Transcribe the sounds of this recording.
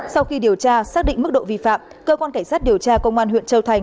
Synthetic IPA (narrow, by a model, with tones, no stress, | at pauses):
sa˧wxi˧ɗi˨˩əwt͡ɕaː˧saː˦˥k̚ɗḭ˧˨ŋmɨ˦˥k̚ɗo̰˧˨vḭ˧˨fa̰ː˧˨m | kəː˧kwaː˧nkaː˧˩ŋ̟saː˦˥t̚ɗi˨˩əwt͡ɕaː˧kə˧wŋ͡mʔaː˧nɦwḭ˧˨ənt͡ɕə˧wt̪ʰa˨˩jŋ̟